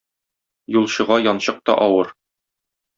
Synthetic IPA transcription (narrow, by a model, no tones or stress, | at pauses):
julˠɕɤ̆ʁɑjɒnɕɤq̚t̪ɒ̰ʔɒwɤɾ